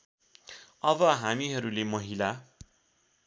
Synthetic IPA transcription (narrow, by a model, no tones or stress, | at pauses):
ʌbʌɦamiɦʌɾulemʌɦila